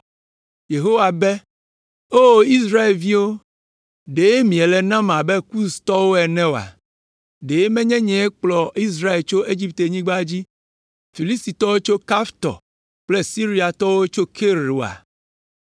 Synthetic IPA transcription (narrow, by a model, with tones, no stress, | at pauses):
je˨ɦo˦wa˨bɛ˦ | o˦˨i˦sɾa˦e˨lvi˦wo˦ | ɖe˨e˦mĩ˨ɛ˨lɛ˨nã˦mã˨bɛ˦ku˦st̪ɔ˦wo˦ɛ˨nɛ̃˦o˨a̰˨ | ɖe˨e˦mɛ̃˦ɲɛ̃˦ɲɛ̃˦ɛ˦k͡plɔ˨i˦s̬ɾa˦e˨lt͡ʃo˦ʔe˦d͡ʑi˦pt̪e˨ɲĩ˦ɡ͡ba˦d͡ʑi˦ | fi˨li˦st̪i˨t̪ɔ˦wo˦t͡ʃo˦ka˦ft̪ɔ̰˨ | k͡ple˦si˦ɾi˦a˨t̪ɔ˦wo˦t͡ʃo˦kʰe˦ɾu˨a̰˨